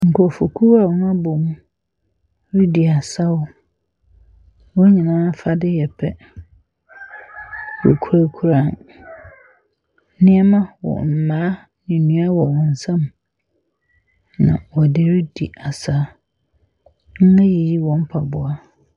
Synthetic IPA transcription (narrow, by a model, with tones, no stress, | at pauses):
ŋ̩˨kʰɔ˨fo˨kʰu˦wa˨wɔ˨˦na˦bo˨m˦ | ɾi˦di˨a˨sa˦wʊ˦ | wɔ˦ɲĩ˨nãː˦fa˦dɪ˦jɛ˨pʰɛ˦ | wɔ̰˨kʰu˦ɾa˦kʰu˦ɾaː˦˨n˦ | nɪ̃˦ɛ˦mã˦wɔ̰˨m̩˨mãː˨˦ | nĩ˨nũ˦a˦wɔ˨wɔ̃˨n̩˨sã˦m | nã̰˨wɔ˨dɪ˦ɾi˦di˨ʔa˨sa˦ | ŋ̩˦ɛ˦ji˨ji˦wɔ̃˨m̩˦pʰa˨bʊ˨a˦